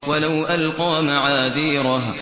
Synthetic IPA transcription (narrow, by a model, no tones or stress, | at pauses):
walawʔalqɑːmaʕaːðiːɾˤɑɦ